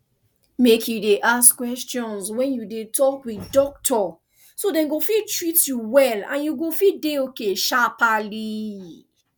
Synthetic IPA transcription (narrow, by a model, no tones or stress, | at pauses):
mekjudeʔaskwɛstjɔ̃nswɛ̃njudetɔkwidɔk̚tʰɔ | sodɛ̃nɡofitɹitjuwɛlã̰njuɡofideokeʃapali